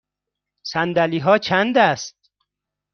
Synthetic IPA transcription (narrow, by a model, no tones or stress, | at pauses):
sænd̪æliːɦɒːt͡ʃʰænd̪æst̪̚